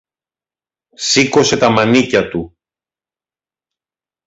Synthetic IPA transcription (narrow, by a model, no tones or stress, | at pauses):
siko̞se̞t̪ɐmɐnicɐt̪u